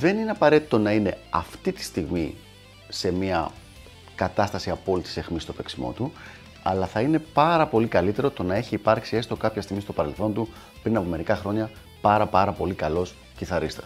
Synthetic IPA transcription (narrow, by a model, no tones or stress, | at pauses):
ðe̞nine̞ɐpɐɾe̞t̪i̥t̪o̞nɐine̞̰ɐft̪it̪i̥st̪iɣmi | se̞miɐ̰ | kɐt̪ɐst̪ɐsiɐpo̞lit̪i̥se̞xmist̪ope̞ksimo̞̰t̪u | ɐ̰lɐθɐine̞pɐɾɐpo̞likɐlit̪e̞ɾo̞t̪o̞nɐe̞çiːpɐɾksie̞st̪o̞kɐpçɐst̪iɣmist̪o̞pɐɾe̞lθo̞nt̪u | pɾinɐpo̞me̞ɾikɐxɾo̞ɲɐ | pɐɾɐpɐɾɐpo̞likɐlo̞s | ciθɐɾist̪e